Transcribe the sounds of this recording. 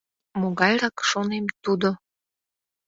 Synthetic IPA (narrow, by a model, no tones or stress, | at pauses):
moɣɑjɾɑkʃonemt̪ud̪o